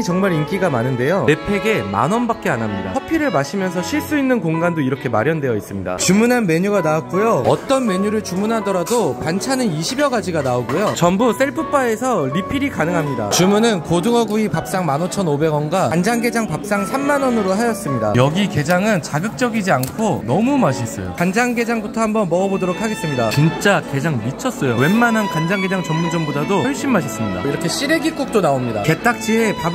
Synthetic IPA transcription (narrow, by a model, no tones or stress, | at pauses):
t͡ɕʌŋmaɾink͈iɡamanɯnde̞joepʰe̞ɡe̞ma̰nʌnbak͈eanamɲida̰ʌpʰiɾɯɭmaɕʰimjʌnsʰʌɕʰiɭs͈uinːɯnkoŋɡandoiɾʌkʰe̞maɾjʌndwe̞jʌis͈ɯmɲida̰t͡ɕumunɦanme̞ɲuɡanaak̚k͈ujoʌt͈ʌnme̞ɲuɾɯɭt͡ɕumunɦadʌɾadopant͡ɕʰanɯniɕʰibjʌɡad͡ʑiɡanaoɡujot͡ɕʌmbus͈eɭpʰɯp͈ae̞sʰʌɾipʰiɾikanɯŋɦamɲida̰t͡ɕumunɯnkodɯŋʌɡuipap̚s͈aŋmanot͡ɕʰʌnobe̞ɡwʌnɡwaand͡ʑaŋɡe̞d͡ʑaŋpap̚s͈aŋsʰamːanʌnɯɾoɦajʌs͈ɯmɲida̰jʌɡike̞d͡ʑaŋɯnt͡ɕaɡɯk̚t͡ɕ͈ʌɡid͡ʑiankʰonʌmumaɕʰis͈ʌ̰jo̰kand͡ʑaŋɡe̞d͡ʑaŋbutʰʌhambʌnmʌɡʌbodoɾokʰaɡe̞s͈ɯmɲidat͡ɕint͡ɕ͈ake̞d͡ʑaŋmit͡ɕʰʌs͈ʌjowe̞nmanankand͡ʑaŋɡe̞d͡ʑaŋt͡ɕʌmmud͡ʑʌmbodadoʌɭɕ͈imːaɕʰis͈ɯmɲida̰iɾʌkʰe̞ɕ͈iɾeɡik͈uk̚t͈onaomɲida̰ke̞t͈ak̚t͡ɕ͈ʰiepab